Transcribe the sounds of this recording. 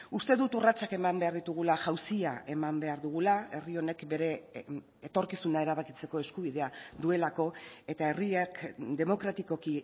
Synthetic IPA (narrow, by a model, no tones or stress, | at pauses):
ust̪e̞ðut̪urat͡sake̞mambe̞aɾðit̪uɣ̞ulaʝawsia̰e̞mambe̞aɾðuɣ̞ulae̞rio̞ne̞kbe̞ɾe̞ | et̪o̞ɾkisunae̞ɾaβ̞akit͡se̞ko̞e̞skuβ̞iðe̞aðue̞lako̞e̞t̪ae̞riekd̪e̞mo̞kɾat̪iko̞ki